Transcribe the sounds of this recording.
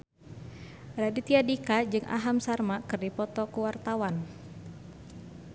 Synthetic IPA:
radit̪iadikad͡ʒɨŋʔa̰ɦamsarmakɨrdipɔt̪ɔkuwart̪awan

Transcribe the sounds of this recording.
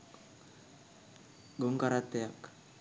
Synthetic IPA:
ɡɔŋkaɾat̪eak

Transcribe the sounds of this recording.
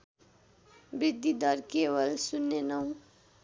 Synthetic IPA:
bɾid̪ʱːid̪ʱʌɾkewʌlsunːenʌw̃

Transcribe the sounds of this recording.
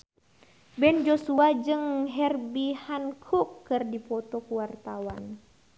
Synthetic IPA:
bɛnd͡ʒɔsuad͡ʒɨŋɦɛrbihankʰukːɨrdipɔt̪ɔkuwart̪awan

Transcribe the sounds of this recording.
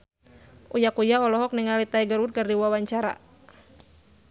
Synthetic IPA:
ʔujakujaɔlɔɦɔk̚niŋalit̪aiɡərwut̪̚kərdiwawaɲt͡ʃaɾa̰

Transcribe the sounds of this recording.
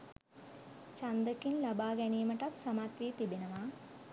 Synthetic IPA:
t͡ʃɐnd̪əkinlɐbaːɡɛnijmɐʈɐt̪sɐmaːt̪ʋiːt̪ibenɐʋaː

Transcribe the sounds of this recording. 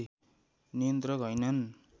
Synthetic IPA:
nijʌnt̪rʌkɦʌjnʌn

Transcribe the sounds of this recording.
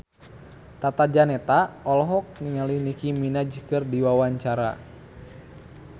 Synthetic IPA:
t̪at̪ad͡ʒanɛt̪aɔlɔɦɔk̚niŋalihnikiminad͡ʒkɨrdiwawaɲt͡ʃaɾa̰

